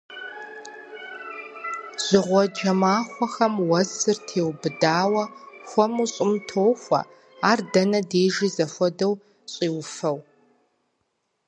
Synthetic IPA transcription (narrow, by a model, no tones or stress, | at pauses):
z̥ɪʁʷɔd͡ʒɐmaːχʷɔxɐmwɐzɨrtʰeːwbɨdaːwɐxʷɔmuɕʼɪmtʰoːxʷɐ̰ | aːrdɐnɐdeːʒizɐfʷɔdɐw | ɕʼiːwfɐw